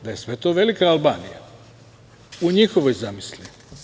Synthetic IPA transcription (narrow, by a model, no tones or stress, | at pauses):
d̪aje̞sʋe̞t̪o̞ːʋe̞likaalˠbaːnija̰ | uɲixo̞ʋojzamislʲi